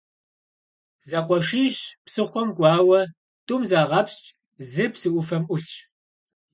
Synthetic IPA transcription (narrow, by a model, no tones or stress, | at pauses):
zɐqʷɔʂiːʒpsɨχʷɔmɡʷʼɑːwɐ | tʼumzaːʁɐpst͡ʃʼ | zɨpsɨʔʷʊfɐmʔʷʊɬʼ